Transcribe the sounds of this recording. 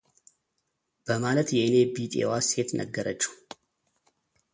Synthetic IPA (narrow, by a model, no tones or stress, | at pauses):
b̥əmalət̪jɛʔɨne̞bit̪ʼḛwaset̪nʔə̰ɡːəɾət͡ʃːu̥